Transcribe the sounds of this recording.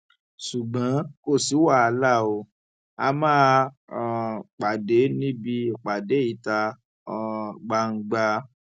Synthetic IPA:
su˨ɡ͡bã˨˦ko˦˨si˨˦wa˦˨a˧la˦˨o˧ | a̰˧mãː˦˧˦ | k͡pa˨de˨˦nĩ˦bi˧˨k͡pa˨de˨˦i˦˨ta˧ | ɔ˧ɡ͡ba˧ŋ̩˧ɡ͡ba˧

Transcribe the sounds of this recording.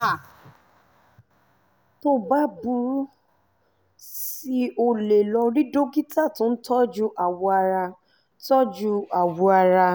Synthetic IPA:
a˨ | to˦ba˦bu˧ɾu˦ | si˧o˧le˨lɔ˧ɾi˦do˦ɡi˦ta˦˨tũ˨˦tɔ˦d͡ʒu˦ʔa˨wɔ˧a˧ɾa˧ | tɔ˦d͡ʒu˧a˨wɔ˧a˧ɾa˧

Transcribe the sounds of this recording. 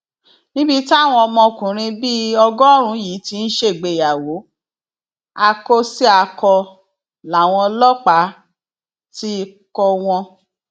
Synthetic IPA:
nĩ˦bi˦ta˦˨w̃ɔ̃˧ɔ˧mɔ̃˧kũ˨ɾ̃ĩ˧bi˦ɔ˧ɡɔ˦ɾ̃ũ˧˦jiː˨˦ti˧n̩˦ʃe˦˨ɡ͡be˧˨ja˨wo˨˦ | a˧ko˧si˦a˧kɔ˧ | la˨˦˨w̃ɔ̃˧lɔ˦k͡pa˨˦ | ti˦kɔ˧w̃ɔ̃˧

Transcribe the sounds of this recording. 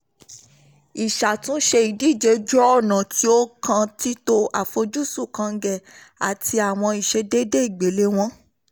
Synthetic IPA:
i˨ʃa˨tũ˨˦ʃe˧i˨di˨˦˨d͡ʒe˨˧˦d͡ʒɔ˦ɔ˦˨nã˨ti˦o˦kã˧ti˦to˧a˨fo˧d͡ʒu˦su˦˨kã˧˦ɡɛ˦˨ | a˨ti˧a˨w̃ɔ̃˧i˨ʃe˧˦de˦de˦i˦˨ɡ͡be˨˦le˦w̃ɔ̃˦

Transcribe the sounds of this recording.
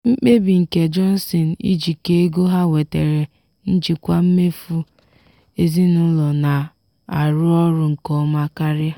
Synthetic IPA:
ŋ͡m̩˦k͡pe˦bi˨ŋ̩˨ke˨d͡ʒɔ˦n̩˦si˨n˨ḭ˦d͡ʒi˨ke˦e˦ɡo˦ɦa˦we˨te˨ɾe˨ | n̩˦d͡ʒi˨kʷa˦m̩˦me˦fu˦ | e˦zi˦nʊ˦lɔ˨na˨ | a˨ɾʊ˦ɔ˦ɾʊ˦ŋ̩˨kɔ˦ma˦ka˦ɾɪ˦

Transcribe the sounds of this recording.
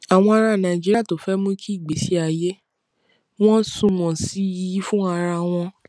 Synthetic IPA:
a˨w̃ɔ̃˧a˧ɾa˧˨nã˨i˨d͡ʒi˦ɾa˦˨to˨fɛ˨˦mũ˦kʰi˦i˦˨ɡ͡be˨˦si˦a˨je˦ | w̃ɔ̃˦sũ˧w̃ɔ̃˨si˨˦ji˧˦i˦fũ˦a˧ɾa˧w̃ɔ̃˧

